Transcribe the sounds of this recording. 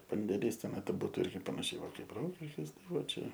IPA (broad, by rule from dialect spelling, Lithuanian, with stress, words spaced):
pɐnʲdʲeːˈlʲiːs ˈtʲæːnɐɪ tɐɪ ˈbuːtʊ ˈɪrʲɡʲɪ pɐnɐˈʃʲɛɪ ˈʋɐ ˈkɐɪp ˈroːkʲɪʃʲkʲɪs ˈtɐɪ ˈʋɐt ˈt͡ʃʲɛ